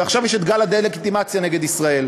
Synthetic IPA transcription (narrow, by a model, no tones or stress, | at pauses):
eaχʃavjɛʃet̪ɡalad̪ejleɡit̪imat͡sjaneɡed̪isʁae̞l